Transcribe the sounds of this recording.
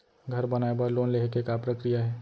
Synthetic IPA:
ɡʱəɾbənaebəɾloːnleɦekekapɾəkɾijaɦɛː

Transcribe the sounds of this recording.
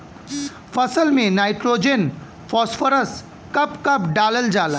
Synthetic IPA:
fʰəsəlmẽnajʈɾod͡ʒen | fʰɔsfəɾəs | kɐpkəpɖaːləld͡ʒaːla

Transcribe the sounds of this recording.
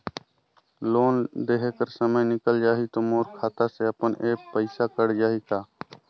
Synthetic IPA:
loːnd̪eːɦekəɾsəməjnɪkəld͡ʒaːɦit̪oːmoːɾkʰaːt̪aseəpəneːkpəɪsakəɽd͡ʒaːɦiːkaː

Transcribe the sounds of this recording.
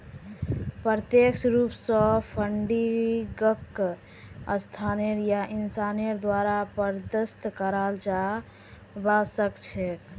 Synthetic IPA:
pəɾət̪eksɾupsə̃pʰəɳɖiɡəkː | əst̪ʰaneɾjaʔinsaneɾd̪waɾapəɾd̪əst̪kəɾald͡ʒa | basəkt͡ʃʰek

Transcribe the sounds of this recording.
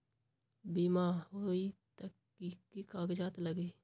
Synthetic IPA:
biːmahoit̪əkː | ikikaːɡd͡ʒaːt̪ləɡi

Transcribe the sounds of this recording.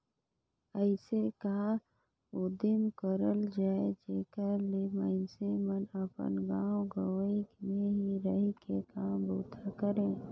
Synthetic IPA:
əɪsekɐã | od̪ɪmkəɾəld͡ʒaːed͡ʒeːkəɾlemaɪnsemənəpə̰nɡãːwɡəwikneɦiɾəɦikekaːmboːt̪ʰakəɾẽː

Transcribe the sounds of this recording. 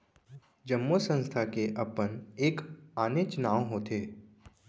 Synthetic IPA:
d͡ʒəmːosə̃nst̪ʰakeʔɐpəneːkaːnet͡ʃnaːwɦoːt̪ʰeː

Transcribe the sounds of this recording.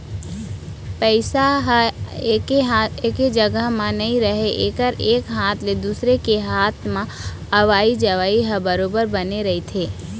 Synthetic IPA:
pɛɪsaɦeːkeɦaeːked͡ʒɐɡəɦmãnɐɦĩɾəɦeʔeːkəɾeːkɦaːt̪ʰled̪uːsɾekeɦaːt̪ʰmã | ɐʋaːid͡ʒɐʋaːiɦəbəɾoːbəɾbɐneɾɐɦit̪ʰeː

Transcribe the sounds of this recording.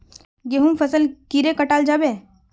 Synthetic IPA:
ɡeɦũmfʰəsəlkiɾekəʈaːld͡ʒaːbẽ

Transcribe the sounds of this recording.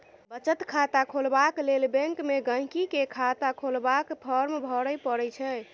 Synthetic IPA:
bət͡ʃət̪kʰat̪akʰolbaklelbə̃ŋkmeɡə̃ɦkikekʰat̪akʰolbakpʰəɾmbʱɔɾəpəɾɛt͡ʃʰɛ

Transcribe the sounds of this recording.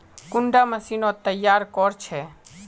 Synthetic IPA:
kʊɳɖaməsiːnot̪əjːaːɾkɔːɾt͡ʃʰɛː

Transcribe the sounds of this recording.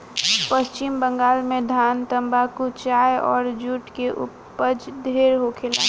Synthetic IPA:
pəst͡ʃɪmbə̃ŋɡaːlmẽd̪ʱaːnt̪ə̃mbakut͡ʃaːjɔːɾd͡ʒuʈkeʔʊ̰pː | əd͡ʒd̪ʱeːɾɦokʰela̰ː

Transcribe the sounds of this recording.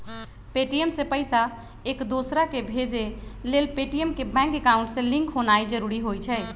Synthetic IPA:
peʈiemsẽpəjsa | ekd̪osɾakebʱed͡ʒelelpeʈijemkebɛ̃ŋkekaʊũɳʈsẽlĩŋkɦonaid͡ʒəɾuɾiɦojt͡ʃʰɛ

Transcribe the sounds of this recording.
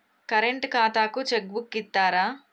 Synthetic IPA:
kɐɾeɳʈkaːt̪aːkut͡ʃeɡbukːit̪ːaːɾaː

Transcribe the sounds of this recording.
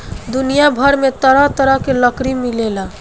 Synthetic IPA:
d̪unijabʱəɾmet̪əɾət̪əɾəɦkeləkɾimilela

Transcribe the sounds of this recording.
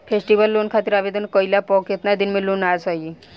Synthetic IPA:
pʰesʈiʋəlːonkʰat̪iɾabed̪ənkɔilapɔket̪nad̪inmelonasɔi

